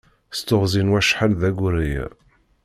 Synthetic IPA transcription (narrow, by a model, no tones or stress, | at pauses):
st̪ːʊʁzinwæʃħalðæɡʷɾij̰